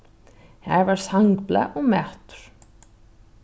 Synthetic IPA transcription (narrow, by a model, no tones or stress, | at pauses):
hɛvaɾ̥saŋkpla̰ʔɔɣmɛht̪ʏ̥ɾ̥